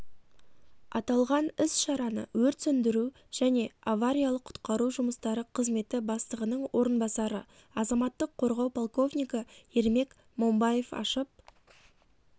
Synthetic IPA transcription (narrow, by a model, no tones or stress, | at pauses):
ɑt̪ɑlˠʁɑnɪsʃɑɾɑnə̰wɵɾt̪sʏnd̪ɪɾu | ʒ̥æne̞avaɾʲijɑlˠəqʰʊ̥t̪qɑɾuʒʊməst̪ɑɾəqʰəzme̞t̪ɪbɑst̪əʁənəɴwʔo̞ɾənbɑsɑɾə̰ | ɑzɑmɑt̪ːəqʰːo̞ɾʁɑwpʰolˠko̞vnʲijkəje̞ɾme̞k | mo̞mbɑje̞fɑ̰ʃəp̚